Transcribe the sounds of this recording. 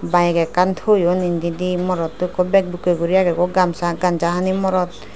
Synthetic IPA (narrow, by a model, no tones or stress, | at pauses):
bajɛɡɛkant̪ʰojɔnind̪id̪imɔɾɔt̪ːukɔbɛk̚bukɔɡuɾijaɡɛkɔɡamsaɡand͡ʒaɦanimɔɾɔt̪̚